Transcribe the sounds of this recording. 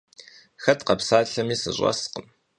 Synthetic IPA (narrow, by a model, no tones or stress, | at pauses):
xɐtqɐpsaːɬɐmiːsɨ̰ɕʷʼɑ̰sqəm